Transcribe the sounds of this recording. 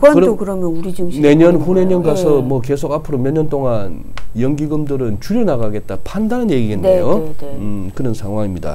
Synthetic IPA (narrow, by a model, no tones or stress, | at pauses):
ʌkɯɾokɯɾʌmjʌnuɾid͡ʑumne̞ɲʌnhune̞ɲʌnɡasʰʌmwʌke̞sʰoɡapʰɯɾomjʌɲːʌnt͈oŋanjʌŋɡiɡɯmdɯɾɯnt͡ɕuɾjʌnaɡaɡe̞t̚t͈apʰandanɦanje̞ɡiɡenːejoɯkɯɾʌnsʰaŋɦwaŋimɲida̰